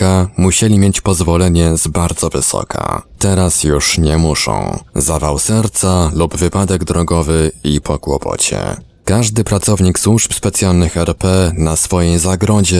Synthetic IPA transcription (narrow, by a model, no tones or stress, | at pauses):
amuɕelʲimjet͡ɕpɔzvɔlɛɲɛzbaɾd̪zɔvɘ̰sɔ̰kʰa̰t̪ɛɾasjuʂɲɛmuʂɔ̰̃w̃zavawsɛɾt̪salubvɘpad̪ɛɡd̪ɾɔɡɔvɘipʰɔkwɔ̰pʰɔ̰t͡ɕɛ̰ | kaʐd̪ɘpɾat̪sɔvɲikswuʐpspɛt̪sʲjalnɘxɛɾpɛnasfɔjejzaɡɾɔd͡ʑɛ